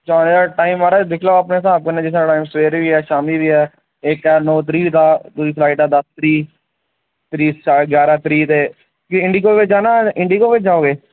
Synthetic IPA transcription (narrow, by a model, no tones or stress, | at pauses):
t͡ʃaːneːd͡ʒaːʈaːɪmaːɾaːd̪ɪkʰlaːaːpnẽːsaːb̚kənẽːd͡ʒɪsaːʈaːimsʋeːɾʋiːɛːʃaːmiːʋiːɛː | ɪkɛːnõːt̪ɾiːt̪aːt̪ʊsiːslaːiʈaːd̪əst̪ɾiː | t̪ɾiːt͡ʃaɡjaːɾaːt̪ɾiːt̪eː | kiɪɳɖiːkoːʋɪt͡ʃd͡ʒaːnãːɪ̃ɳɖiːkoːʋɪt͡ʃd͡ʒaːoːɡeː